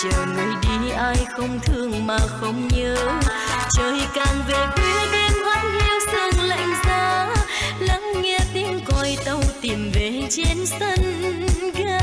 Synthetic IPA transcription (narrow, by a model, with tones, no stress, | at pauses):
t͡ɕəː˨˩ŋɨ˨˩əjɗi˧˩ʔaː˧jxə˧wŋ͡mt̪ʰɨ˧əŋmaː˨˩xə˧wŋ͡mɲəː˨˦ | t͡ɕəː˨˩jkaː˨˩ŋve˨˩ɓi˧˦əɗe˧nhwaː˧˦˥nʔi˧əwsɨ˧˩əŋla̰˧˨jŋ̟zaː˧la˧˦˥ŋŋɛ˧t̪i˧˦əŋkɔ˧jt̪ə˧wt̪i˨˩mve˨˩t͡ɕe˧nsə˧nɣaː˧